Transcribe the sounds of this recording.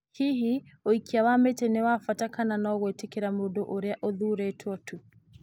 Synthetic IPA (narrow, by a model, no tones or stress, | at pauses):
hiɦioikiawametenewafatakananɔːɣoetekeɾamoːndoʔoɾeaʔoðuɾetʰwɔtʰu